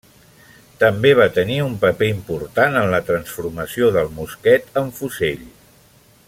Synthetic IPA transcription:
t̪əmbeβ̞at̪əniumpəpeimpuɾt̪anənlət̪ɾənsfuɾməsioðəlˠmuskɛt̪əɱfuzeʎ

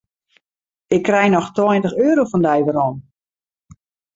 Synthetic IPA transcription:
ɪkːrɛjnɔxtwɔjntəxøːɾofɔndɛjʋəɾɔn

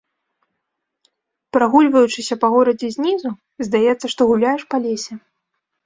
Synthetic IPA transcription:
pɾaɣulʲvɐjut͡ʂɨsʲɐpɐɣɔɾɐd͡zʲɛzʲnʲizu | zʲd̪ajɛt̪sːɐʂt̪ɔɣulʲajɛʂpalʲesʲɛ

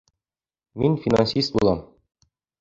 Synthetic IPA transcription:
minfʲina̰nsʲist̪̚bulˠɑm

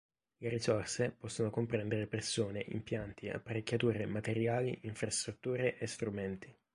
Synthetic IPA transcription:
leɾisorsepɔsːonokompɾɛnd̪eɾepersoːneʔḭmpjant̪ia̰pːaɾekʲːat̪uːɾemat̪eɾjaːliʔiɱfɾast̪ɾut̪ːuːɾeʔest̪ɾumɛnt̪i

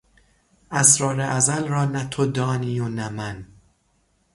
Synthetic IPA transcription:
ʔæsɾɒːɾeʔæzælrɒːnæt̪ʰod̪ɒːniːonæmæn

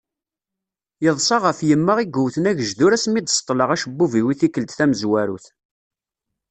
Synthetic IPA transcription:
jəðˤsˤɑʁəfjəmːəʁiɡuwθənæʝəʒðʊɾæsmid̪sˤt̪ˤːləʁæʃəbːuviwiθikːəld̪θæməzwæɾṵθ

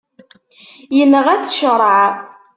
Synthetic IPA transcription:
jənːəʁæθʃəɾˤəʕ

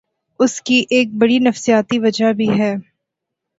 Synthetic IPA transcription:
ʊskiʔeːk̚bɐɽinɐfsijaːt̪iʋɐd͡ʒabʱiɦɛː

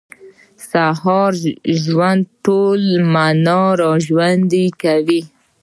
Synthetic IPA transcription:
sahɑɾʒwand̪̚ʈolmanɑɾaʒwand̪ikawi

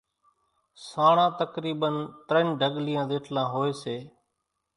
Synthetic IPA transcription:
saːɳãːt̪əkɾiːɓənt̪ɾeɳɖʱəɠlijãːd̪eːʈʰlãːɦoːeːseː

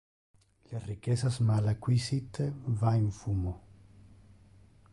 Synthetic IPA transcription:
lerikɛsasmalakwisit̪vaiɱfuːmo

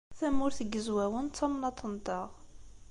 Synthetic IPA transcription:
θæmːʊɾθəɡːəzwæwəntt͡s̪ːɑmnɑt̪ˤːənt̪ɑʁ

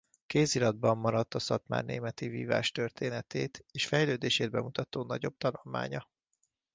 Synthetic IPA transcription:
keːzilɒd̪̚bɒmːɒɾɒt̪ːɒsɒt̪ma̰ːrnḛːmɛt̪ivḭːva̰ːʃt̪ø̞rt̪ʰeːnɛt̪eːt̪eːʃfɛjløːd̪eːʃeːd̪̚bɛmut̪ɒt̪oːnɒɟo̞b̚t̪ɒnulma̰ːɲɒ

